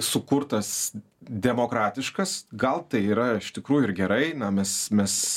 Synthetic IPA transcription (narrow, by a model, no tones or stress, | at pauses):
sʊkʊrt̪ɐs | d̪ʲɛmoːkɾɑːt̪ʲɪʃkɐsɡɐlˠt̪ɐɪiːɾɐɪʃt̪ʲɪkɾuːjʊɪɾɡʲɛɾɐɪnɐmʲɛsmʲɛs